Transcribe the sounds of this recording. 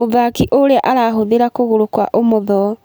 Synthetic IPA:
oðakiʔoɾeaʔaɾaɦoðeɾakoɣoɾokwa̰ʔomoðɔ

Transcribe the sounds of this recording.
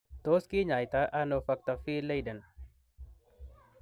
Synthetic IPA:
t̪oːskiɲaːjt̪aʔanofɐk̚t̪afiːlejdən

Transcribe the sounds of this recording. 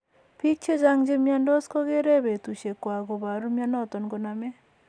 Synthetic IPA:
pʰik̚t͡ʃʰɛd͡ʒaŋd͡ʒemijandɔskɔɡeɾɛbet̪usekɔaɡɔbaɾumjanɔt̪ɔnkɔname

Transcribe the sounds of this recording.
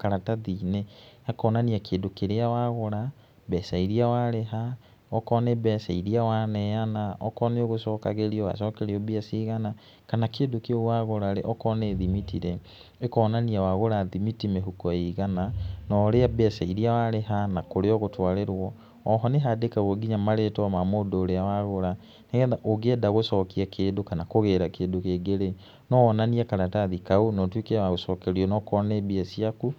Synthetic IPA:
kaɾataðiːneakɔnaniakʰeːdokeɾeawaɣoɾa | bɛsaiɾiawaɾeɦa | ɔkɔnebɛsaiɾiawanɛanaʔɔkɔneoɣosɔːkaɣeɾiɔwa̰sɔːkɛɾeɔbeasiɣana | kanakeːdokewaɣoɾaɾeʔɔkɔneðimitiɾɛ | ekɔːnaniawaɣoɾaðimitimeɦukɔeɣananɔːɾeabɛsaiɾiawaɾeɦanakoɾeɔɣotwaɾeɾwɔː | ɦɔneɦadekaɣoɡiɲamaɾetwamamoːdoːɾeawaɣoɾa | neɣɛnðaʔoɡeɛdaɣosɔːkiakʰeːdokanakoɣeɾakeːndokeːɡeɾe | nɔɔnaniakaɾataðikaonɔtwekewaɣosɔːkɛɾiɔnɔkɔnebiasiaku

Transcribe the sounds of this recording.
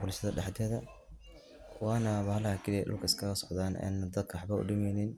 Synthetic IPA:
bʊlʃɐðɐɖɑħd̪ɛːðɐ | kʰʊwanɐβɐːhlɐhɐkʰɪliʔʊ̰lkʰɐɪskʰɐɣɐsɔ̥qðaːnɛ̰ːnɐd̪ɐd̪̚kʰɐwħbɐʊ̰ɖɪmɛjnɪn

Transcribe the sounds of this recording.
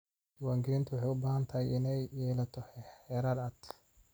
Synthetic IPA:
t͡ʃɪwaːŋɡɪɾɪnt̪ʰʊwɑħɑjʊbaːɦɐnt̪ʰɐɦɐjɪnɛjːɛːlɐt̪ʰɔhɛħɛːɾɐd̪ɐt̪ʰ

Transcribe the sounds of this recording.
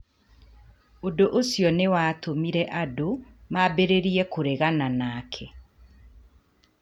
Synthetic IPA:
odoʔosjɔnewaːtomiɾɛʔadomabeɾeɾiɛkoɾeɣananaːkʰɛ

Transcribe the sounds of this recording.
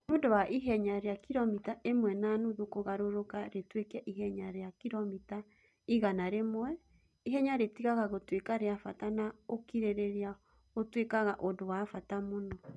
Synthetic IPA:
odowaʔiɦɛɲaɾeakiɾɔmitaʔemwɛnanuðokoɣaɾoɾokaɾetwekɛʔiɦɛɲaɾejakiɾɔmita | iɣanaɾemwɛ | iɦɛɲaɾetiɣaɣaɣotwekaɾeafatanaokiɾeɾeɾea | otwekaɣaʔodowafatamonɔ

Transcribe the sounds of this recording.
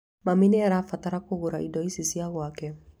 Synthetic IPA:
maminejaɾafataɾakoɡoɾaidɔisisijaɡoakɛ

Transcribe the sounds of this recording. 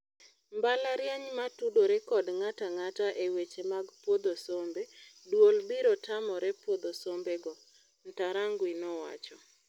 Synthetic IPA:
mbalaɾjaɲmatudoɾɛkɔdŋataŋataʔewet͡ʃemaɡpwod̪osombedwold̪iɾɔtamɔɾɛpwod̪osombeɡɔ | n̩taɾaŋɡwinɔwa̰t͡ʃɔ

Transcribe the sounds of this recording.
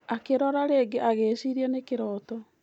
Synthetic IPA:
akeɾɔɾaɾeːɡeʔaɣeːsiɾiɛnekeɾɔːtɔ

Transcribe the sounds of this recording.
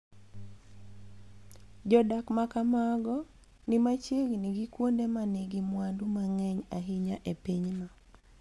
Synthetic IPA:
d͡ʒɔdakmakamaɡɔ | nimat͡ʃeɡniɡikwondemaneɡimwandumaŋɛɲaɦiɲaʔepiɲma

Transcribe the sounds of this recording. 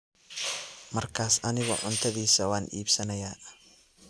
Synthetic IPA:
mɐrkʰaːsɐnɪɣɔ̰ʕʊnt̪ʰɐðiːsɐwɑːnʔḭːbsɐnɐjaː

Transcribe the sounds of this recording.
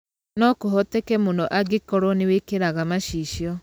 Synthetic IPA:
nɔkoɦɔtekɛmonɔʔaɡekɔɾɔnewekeɾaɣamaʃiːʃiɔ

